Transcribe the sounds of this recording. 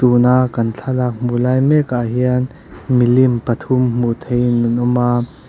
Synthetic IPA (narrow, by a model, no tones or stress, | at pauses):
t̪uːnakːɐnt͡ɬʰalak̚mbulaːjmɛkaɦiən | milimpɐt̪ʰʊmmut̪ʰejnunʊma